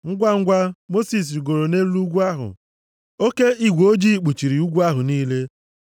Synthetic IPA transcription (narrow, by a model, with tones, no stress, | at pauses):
ŋ̩˦ɡʷa˦ŋ̩˦ɡʷa˦mo˦si˨s̬ɡo˨ɾo˨ne˦lu˦ɡʷu˦a˦ɦʊ̰˨ | o˦ke˦i˦ɡʷo˦d͡ʒi˦˨k͡pu˨t͡ʃi˨ɾi˨u˦ɡʷu˦a˦ɦʊ˨niː˦le˦